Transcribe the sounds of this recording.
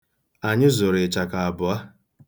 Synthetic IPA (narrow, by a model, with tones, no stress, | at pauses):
a˨ɲɪ˦zʊ˨ɾɪ˨t͡ʃa˨ka˨a˨bʊ˨a˦